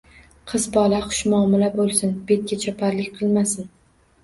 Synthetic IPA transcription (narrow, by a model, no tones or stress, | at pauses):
qʰɨzbɒlˠaχʊ̥ʃmʊɒːmɪlabolˠsɪnbe̞t̪̚kʲat͡ʃʰɒpʰaɾlɪkʲqʰɨlˠmasɪn